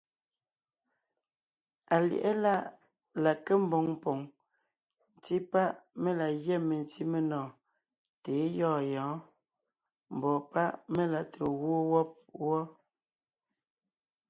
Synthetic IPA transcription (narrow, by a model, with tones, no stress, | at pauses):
a˨lj̰ʔɛ˦la˦˨ʔ | la˨ke˦m̩˦bɔ˨˦ŋpɔ˨ŋ | n˨ti˦pa˦ʔme˦la˨ɣjɛ˦˨me˨n˨ti˦me˦nɔː˨ | te˨˦jɔː˦˨jɔ̃ː˨˦ | m̩˨bɔ˨pa˦ʔme˦la˨tʰe˨wo˦wɔ˦p̚wɔ˦